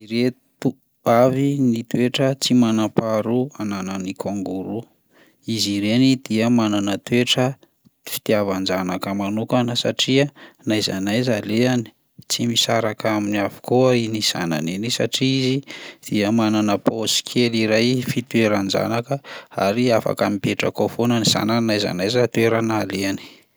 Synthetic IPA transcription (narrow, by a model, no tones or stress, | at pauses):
iɾe | t̪u | avinit̪weʈ͡ʂət͡simanapaɾuananənikʰoŋɡuɾu | iziɾenid̪̥iəmananət̪ueʈ͡ʂə | fi̥t̪iavand͡ʒanakəmanukanəsa̰ʈ͡ʂiənajzanajzaleani̥ | t͡simisaɾakaminiavu̥koainiz̥a̰na̰nenisa̰ʈ͡ʂiizid̪̥iəmananəposi̥kʰeliɾajfit̪weɾand͡ʒa̰nakəa̰ɾiafa̰kamipeʈ͡ʂə̰kofonəniz̥a̰nanajza̰najzat̪weɾanaleani̥